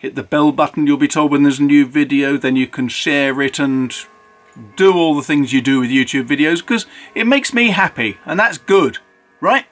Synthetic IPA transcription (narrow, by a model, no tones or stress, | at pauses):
ɨt̪̚ðəbɛlˠbʌʔn̩jəlˠbitʰoʊlˠd̚wə̃nðə˞zənjʉvɪdioʊðɨ̃njɨkʰɨ̃nʃɛɹɪtə̃n | d̥əɔlˠðəθɪ̃ŋzjɨdɨwɨðjʉtʰʉbvɪɾioʊz̥kʰʌzɨt̚meɪksmiɦæpiə̃nðætsɡ̥ʊd̥ | ɹaɪt̚